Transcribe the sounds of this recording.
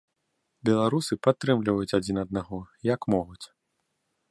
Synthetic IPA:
bʲɛlˠaɾusɨpat̪ːɾɨmlʲivɐjut͡sʲad͡zʲinɐd̪̚naɣɔjakmɔɣut͡sʲ

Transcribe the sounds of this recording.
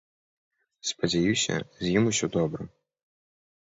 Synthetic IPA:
spɐd͡zʲajusʲɐ̰zʲjimusʲɔd̪ɔbɾɐ

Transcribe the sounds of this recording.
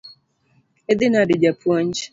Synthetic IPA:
ed̪ɪnadid͡ʒapwɔɲd͡ʒ

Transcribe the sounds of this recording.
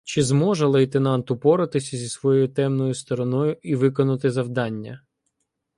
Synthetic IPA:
t͡ʃɪzmɔʒɛlˠɐjt̪enɑnt̪ʊpɔɾɪt̪ɪsʲɐzʲisʋɔjɔjʊt̪ɛmnɔjʊst̪ɔɾɔnɔjʊiʋɪkɔnʊt̪ɪzɐwd̪ɑnʲːɐ̰

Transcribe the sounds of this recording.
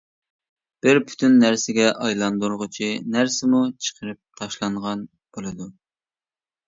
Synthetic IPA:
b̥ɪɾpʰy̥t̪ʰynːæɾsɪɡʲɛʔɑjlˠɑnd̪uɾʁʊt͡ʃʰinæɾsɪmut͡ʃʰə̥qʰəɾɨp̚t̪ʰɑʃlˠɑɴʁɑn | b̥olˠɨd̪u

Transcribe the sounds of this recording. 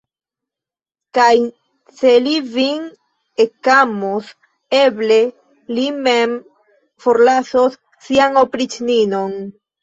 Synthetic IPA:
kaj | se̞livin | ekamos | e̞ble̞ | limem | fo̞ɾlasosː | iaŋo̞pɾit͡ʃnino̞n

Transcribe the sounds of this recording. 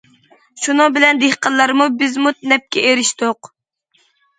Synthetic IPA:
ʃunɨŋbɪlɛnd̪ehqəllˠɑɾmubɪzmut̪nɛp̚kʲɛʔeɾɪʃt̪oq

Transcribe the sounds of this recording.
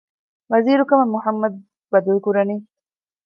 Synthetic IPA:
waziɾukamamʊhamːad̪̚ | bad̪ulkuɾani

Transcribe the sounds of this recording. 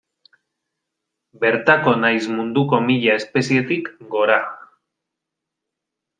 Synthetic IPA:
be̞ɾt̪ako̞najzmund̪uko̞miʎae̞spe̞sie̞t̪ikɡo̞ɾa

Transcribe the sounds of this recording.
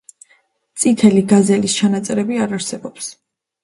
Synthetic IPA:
t̪sʼit̪ʰɛliɡazɛlist͡ʃʰanat̪sʼɛɾɛbiaɾaɾsɛbɔps

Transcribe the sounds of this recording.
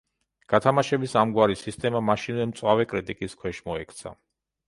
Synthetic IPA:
ɡ̥at̪ʰamaʃɛbisamɡwaɾisist̪ʼɛmamaʃinvɛmt̪sʼwavɛkʼɾit̪ʼikʼiskʰwɛʃmɔɛkʰt̪sʰa̰

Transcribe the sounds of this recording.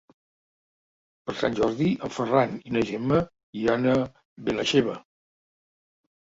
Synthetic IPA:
pəɾsa̰nʲʒɔɾðiəmfəraninəʒemə | iɾanə | βenəʃeβ̞ə

